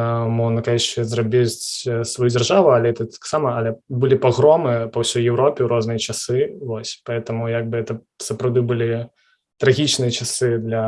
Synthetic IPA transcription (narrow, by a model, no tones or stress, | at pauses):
mɔʐnɐkalʲɛt͡ʃɛzrabʲit͡sʲsvajudʲd͡zʲarʐavʊɐlʲɛɛt̪ɐt̪aksamɐɐlʲɛbɨlʲipaɣɾɔmɨpɐwsʲɔjjɛwɾɔpʲɛwɾɔznɨjɐt͡ʃasɨvɔsʲpaɛt̪ɐmujaɡ̚bɨɛt̪ɐ | sɐpɾawd̪ɨbɨlʲi | t̪ɾaɣʲit͡ʃnɨjɐt͡ʃasɨd̪lʲɐ